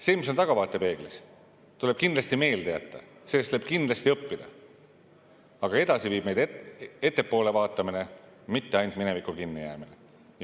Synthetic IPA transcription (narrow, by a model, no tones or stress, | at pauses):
seːmis̬o̞nt̪ɑɡ̥ɑvɑːt̪ːˑe̞pe̞ːɡ̥lis | t̪ule̥kind̪lɑst̪ime̞ːlt̪eɑt̪ˑːɑ̰seːst̪leb̥̚kind̪lɑst̪iɤpːid̪̥ɑ | ɑɡ̥ɑe̞d̪ɑsiviːb̥mejd̪ee̞t̪ːˑe̞pːo̞ːle̞vɑːt̪ːˑɑmine̞ | mit̪ːe̞ɑjnt̪mine̞vikːˑukinːijæ̰ːmine